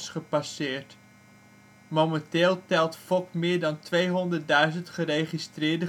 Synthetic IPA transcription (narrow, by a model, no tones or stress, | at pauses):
sχəpasɪːɹt | momɛntɪːlˠtɛlˠtfɔkmɪːɹdɑntʋejɦɔndəɹt̚dœɥzəntχəɾejχistrɪːɹdə